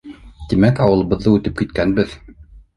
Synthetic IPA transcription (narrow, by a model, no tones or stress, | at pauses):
t̪imækɑwɤ̆lˠɤ̆βɤ̆ðːɤʉt̪ɘp̚kit̪̚kænɘ̆bɘð